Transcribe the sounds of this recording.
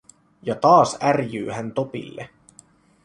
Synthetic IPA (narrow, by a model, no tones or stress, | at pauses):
jɑt̪ɑːsærjy̰ːhænt̪o̞pḭlːḛ